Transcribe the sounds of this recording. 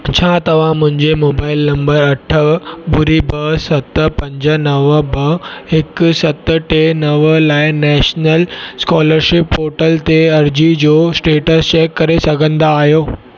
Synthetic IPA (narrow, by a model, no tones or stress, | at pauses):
t͡ɕʰaːt̪ɐʋ̤ãmʊ̃ɦɪ̃ɲd͡ʑemoːbaːɪlnɐ̃mbəɾɐʈʰəbʊɾibɐsɐt̪pɐ̃ɲd͡ʑə̆nɐʋbɐɦɪksɐt̪̆ʈenɐʋəlaːɪnɛːʃnəlskaːləɾʃɪpːoːʈəlt̪eɐɾd͡ʑid͡ʑoːsʈeːʈəst͡ɕeːkːɐɾesɐɡʱə̃nd̪aːɦjoː